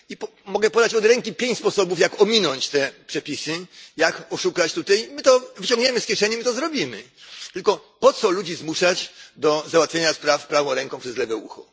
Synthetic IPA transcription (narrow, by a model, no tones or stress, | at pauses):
ipɔ | mɔɡɛpɔd̪at͡ɕɔd̪ɾɛŋkʲipʲjeɲt͡ɕspɔsɔbufjakɔmʲinɔɲt͡ɕt̪ɛpʂɛpʲisɘjakɔʂukat͡ɕt̪ut̪ɛjmɘt̪ɔvɘt͡ɕɔ̃ŋɡɲɛmɘskʲjɛʂɛɲɛmɘt̪ɔzɾɔbʲimɘ̰ | t̪ɘlkɔpɔt̪sɔlud͡ʑizmuʂat͡ɕd̪ɔzawat̪fʲjeɲaspɾafpɾavɔ̃w̃ɾɛŋkɔ̃pʂɛzlɛvɛṵxɔ